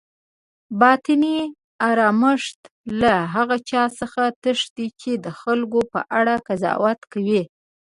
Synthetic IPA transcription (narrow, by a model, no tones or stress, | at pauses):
bɑt̪ɪni | aɾɑməʂt̪laɦaɣat͡ʃɑsəxat̪əʂd̪it͡ʃed̪əxalɡopə̰ʔaɽakazɑ̰wat̪kawi